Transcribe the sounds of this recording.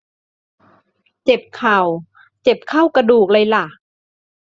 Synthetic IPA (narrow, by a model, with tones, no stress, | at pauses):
t͡ɕe˨˩p̚kʰa˨˩w | t͡ɕe˨˩p̚kʰa˥˩wka˧duː˨˩k̚lɤ˧jla˧˩